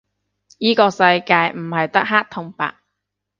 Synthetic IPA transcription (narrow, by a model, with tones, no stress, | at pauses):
jiː˥kɔː˧sɐ˧jkaː˧jm̩˨˩hɐ˨jt̪ɐ˥k̚ɦaː˥k̚t̪ʰʊ˧ŋpa̰ː˧k̚